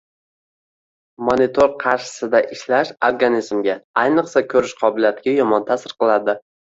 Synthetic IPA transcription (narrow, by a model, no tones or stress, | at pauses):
monit̪ʰoɾqʰɑɾʃɪ̥sɪd̪aʔɪʃlaʃoɾɡanizmɡʲaajnɨqsakʲʰɵɾɪʃqʰɒbɪlijat̪ʰɪɡʲajɒmɒnt̪ʰasɪɾqɨlˠad̪ɪ